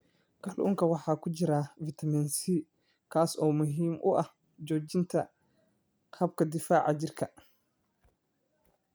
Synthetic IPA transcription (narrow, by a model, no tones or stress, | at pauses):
kʰalʔʊ̰ŋkʰɐwɑħɑːkʰʊt͡ʃɪɾaːvɪt̪ʰɐminsi | kʰaːsɔːmʊɦiːmʔʊʔɐh | d͡ʒɔːd͡ʒɪnt̪ʰɐ | hɐb̚kʰɐd̪ɪfaːʕɑt͡ʃɪrkʰɐ